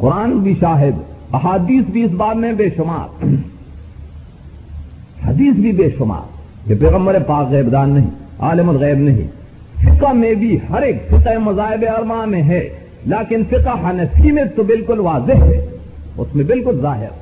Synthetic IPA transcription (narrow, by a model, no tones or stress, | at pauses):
qʊɾaːnbʱiʃaːɦɪd̪ɐɦaːd̪iːsbʱiɪsbaːd̪mẽbeːʃʊma̰ːɾ | hɐd̪iːsbʱibeːʃʊma̰ːɾ | kepɛːɣə̃mbəɾepaːkɣɛːbd̪aːnːɐɦḭ̃a̰ːlɪmɐt̪ɣɛːbnɐɦḭ̃ | fɪqamẽbʱihɐɾeːkfɪqemɐzaːɦɪbeɐɾmaːmẽɦɛː | laːkɪnfɪqaɦanɐsimẽt̪obɪlkʊlʋaːzɪɦɦɛ̰ | ʊ̰smẽbɪlkʊlzaːɦɪ̰ɾ